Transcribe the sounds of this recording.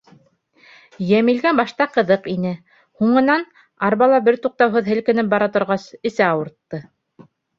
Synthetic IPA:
jæmilɡæbɑʃt̪ɑqɤ̆ðɤqinɘ | huɴɤ̆nɑn | ɑɾβɑlˠɑbɘɾt̪uq̚t̪ɑwɦɤðɘ̆lkɘ̆nɘp̚bɑɾɑt̪ŏɾʁɑsɘ̆sæɑwɤ̆ɾt̪ːɤ

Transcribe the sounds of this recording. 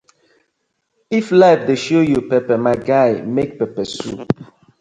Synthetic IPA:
iflaɪfdeʃojupɛpɛmaɪɡaɪmek̚pɛpɛsup

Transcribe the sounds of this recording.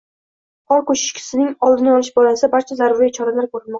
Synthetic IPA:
qɒɾkɵʃɪ̥ʃkʲʰɪ̥sɪnɪŋɒlˠd̪ɪnɪɒlɪʃbɒlasɪabaɾt͡ʃʰazaɾʊɾijt͡ʃʰɒɾalaɾkʰɵɾɪlmɒq̚

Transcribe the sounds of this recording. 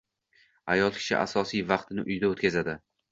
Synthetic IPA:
ajɒlˠkʲʰɪ̥ʃɪ̰ʔa̰sɒsijvɑqt̪ʰɪnɪʔʊjd̪aot̪kʲʰazad̪ɪ

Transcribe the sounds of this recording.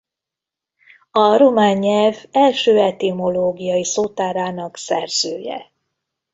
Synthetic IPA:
ɒɾomaːɲːɛlvɛlʃøːɛt̪imo̞loːɡijɒjisoːt̪aːɾaːnɒksɛrz̥øːjɛ̰

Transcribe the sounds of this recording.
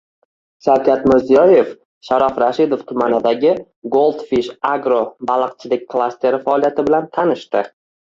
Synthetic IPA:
ʃaɾkʲʰat̪mɪɾzijɒje̞f | ʃaɾɒfɾaʃɪd̪o̞ft̪ʰʊmanɪd̪aɡʲɪ | ɡolˠd̪fiʃaɡɾobalˠɨq̚t͡ʃʰɪlɪk̚ʲkʰlˠast̪ʰe̞ɾɪfaːlˠijat̪ʰɪbɪlant̪ʰanɪʃt̪ɪ

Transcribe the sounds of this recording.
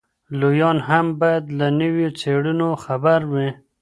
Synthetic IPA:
lojɑnɦambɑjad̪lanəwjot͡seɽunoxabaɾwi

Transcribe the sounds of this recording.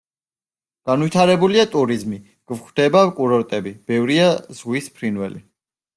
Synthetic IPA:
ɡ̥anwit̪ʰaɾɛbuliat̪ʼuɾizmi | ɡ̥vχd̪̥ɛbakʼuɾɔɾt̪ʼɛbib̥ɛvɾiaz̥ʁwispʰɾinwɛ̰lḭ

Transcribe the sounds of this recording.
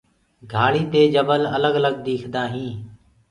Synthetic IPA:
ɡʱaːɭiːt̪eːd͡ʒəbələləɡələɡ̚d̪eːkʰd̪aːɦĩː

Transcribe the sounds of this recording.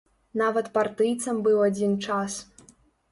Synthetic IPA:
navɐt̪part̪ɨjt̪sɐmbɨwad͡zʲint͡ʂas

